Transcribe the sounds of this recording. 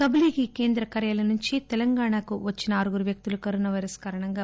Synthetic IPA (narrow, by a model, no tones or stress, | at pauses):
sɐbliɡike̞ːnd̪ɾɐkɐɾjalɐnuɲt͡ʃit̪ɛlɐŋɡaːɳakuʋɐt͡ʃːinɐːɾuɡuɾuʋjɐk̚t̪ulukɐɾoːnɐʋɐjɾɐskaːɾɐɳɐŋɡaː